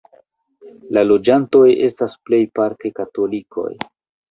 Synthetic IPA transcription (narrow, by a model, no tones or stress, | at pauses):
lalo̞d͡ʒanto̞je̞̰stasple̞jpaɾkekato̞likʰo̞̰j